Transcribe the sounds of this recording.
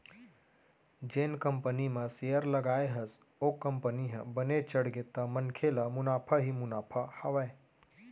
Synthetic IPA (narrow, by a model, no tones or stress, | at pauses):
d͡ʒeːnkəmpənimə̃sejəɾlɐɡaːeɦɐs | okəmpəniɦə̃bənet͡ʃəɽɡet̪amənkʰelamʊnaːpʰaɦimʊnaːpʰahɐʋae